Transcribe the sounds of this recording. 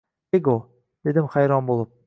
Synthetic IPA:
eɡo | d̪̥e̞d̪ɪmχajɾɒnbolˠɨp̚

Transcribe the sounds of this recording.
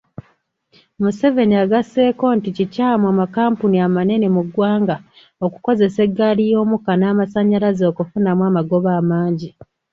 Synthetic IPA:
muse̞ve̞niaɡase̞ːko̞ːnticicaːmwamakaːmpuniamane̞ne̞muɡwaːŋɡa | oku̥ko̞ze̞se̞ɡːalijo̞ːmukanaːmasaɲalazo̞ːkufunamwaːmaɡo̞βaːmaːɲɟi

